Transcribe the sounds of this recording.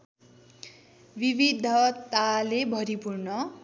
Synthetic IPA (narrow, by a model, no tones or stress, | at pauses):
bibid̪ʱʌt̪alebʱʌɾipurnʌ